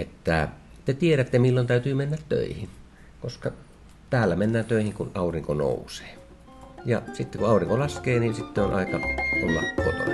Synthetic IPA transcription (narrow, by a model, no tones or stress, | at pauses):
ʔet̪ːæ | t̪et̪ieɾæt̪ːemilːont̪æˑyt̪yːmenːæt̪tø̰ˑihin | koskɑ | t̪æːlːæmenːæːnt̪øˑihiŋkunʔɑˑuriŋkono̰ˑuse̥ː | jɑ̰sit̪ːekuʔɑˑuriŋkolɑskeːninsit̪ːeonʔɑ̰ˑekɑʔollɑ̰kːot̪o̰